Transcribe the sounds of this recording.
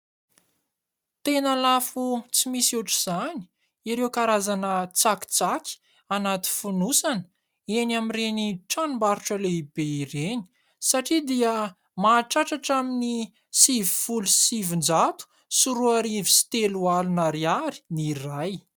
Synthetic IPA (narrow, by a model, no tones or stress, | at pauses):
t̪enalafut͡simisiuʈ͡ʂiz̥ani̥ | iɾewkaɾazanət͡saki̥t͡saki̥ | anat̪i̥funusanə | enamireniʈ͡ʂanumbaɾuʈ͡ʂəleib̥eiɾeni̥ | saʈ͡ʂid̪iə | maːʈ͡ʂaʈ͡ʂaʈ͡ʂamini | sivifulusivind͡ʒat̪u̥ | suɾuaɾivisi̥t̪elualunaɾiaɾi̥niraj